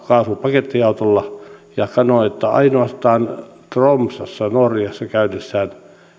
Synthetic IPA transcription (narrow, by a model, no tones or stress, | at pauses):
kɑːsupɑket̪ːijɑut̪olːɑjɑsɑnoet̪ːæɑ̰inoɑst̪ɑːnt̪romsɑsːɑnorjɑsːɑkæynːesːæːn